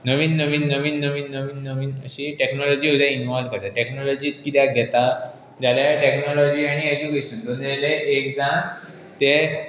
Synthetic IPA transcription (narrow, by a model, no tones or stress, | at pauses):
nəʋiːnːəʋiːnːəʋiːnːəʋiːnːəʋiːnːəʋiːnə̰ɕiːʈeknɔlɔd͡ʑiːɦud̪ãinʋɔlʋkəɾt̪aʈeknɔlɔd͡ʑiːt̪kit̪jaɡʱɛt̪a | d͡ʑaljaʈeknɔlɔd͡ʑiːaɽ̃ied͡ʑukeɕəndəneleʔekd͡zã | t̪e